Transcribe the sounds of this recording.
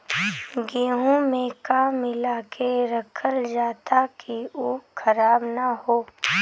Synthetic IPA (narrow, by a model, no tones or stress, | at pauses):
ɡiːɦõmẽkaːmɪlaːkʰeɾɐkʰəld͡ʒaːt̪akiuːkʰɐɾaːbnaɦoː